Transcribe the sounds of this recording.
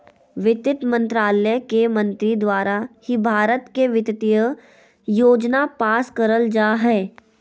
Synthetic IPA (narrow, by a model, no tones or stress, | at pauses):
ʋɪt̪ɪt̪mə̃nt̪ɾaːləjəkemɐ̃nt̪ɾid̪waːɾahibʱaːɾət̪keʋɪt̪ɪt̪ijə | joːd͡ʒnapaːskəɾəld͡ʒaːɦɛː